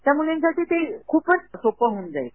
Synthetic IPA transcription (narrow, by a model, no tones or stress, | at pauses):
t̪jamulensaʈiːt̪ekʰuːpːənsopəɦuːnd͡za̰e